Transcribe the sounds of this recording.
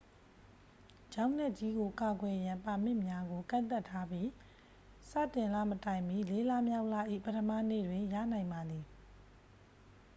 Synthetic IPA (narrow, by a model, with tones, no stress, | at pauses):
d͡ʑã˦ʊ̃nɛ˦ʔ̚t͡ɕi˦ɡo˨ka˨ɡwɛ˨jã˨mpa˨m̥ɪ̰̃˦˨mja˦ɡo˨kã̰˦˨nt̪a˦˨tʰːa˦bji˦ | sä̰˦˨tɪ̃˨nla̰˦˨mətã˨ɪ̃mbi˦˨le˦la˦mja˦ʊʔla̰˦˨ʔḭ˦˨pə˦tʰəmä̰˦˨nḛ˦˨dwɪ̃˨jä̰˦˨nã˨ɪ̃mba˨d̪ði˨